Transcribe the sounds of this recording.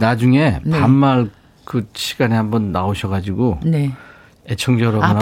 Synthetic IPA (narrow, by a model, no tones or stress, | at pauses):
nad͡ʑuŋe̞npammaɭ | kɯɕʰiɡ̥anehambʌnːaoɕʰʌɣad͡ʑiɡone | et͡ɕʰʌŋd͡ʑʌɾʌna